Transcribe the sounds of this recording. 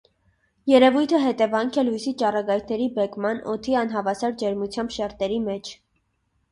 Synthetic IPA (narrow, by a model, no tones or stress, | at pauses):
jɛɾɛvujt̪ʰəɦɛt̪ɛvɑŋkʰɛlujsit͡ʃɑrɑɡɑjkʰnɛɾibɛkmɑnɔ̰t̪ʰiɑnɦɑvɑsɑɾd͡ʒɛɾmut͡sʰjɑmbʃɛɾt̪ɛɾimɛt͡ʃʰ